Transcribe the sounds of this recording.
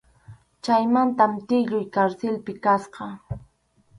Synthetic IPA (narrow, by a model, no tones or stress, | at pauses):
t͡ʃajmant̪amt̪ɪʎʊjkaɾsɪlpɪkasqɑ